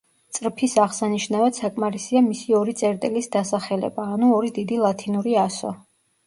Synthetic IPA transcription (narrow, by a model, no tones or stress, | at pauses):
t̪sʼɾpʰisaʁsaniʃnavad̪sakʼmaɾisiamisiɔɾit̪sʼɛɾt̪ʼilisd̪asaχɛlɛ̰baːnuɔɾid̪id̪ilˠat̪ʰinuɾiasɔ̰